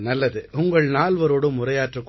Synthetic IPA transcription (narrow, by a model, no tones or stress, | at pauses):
nɐlːɐðɯʔʊŋɡɐɭnaːlʋɐɾoːɽɯmːʊrɐjaːʈrɯkː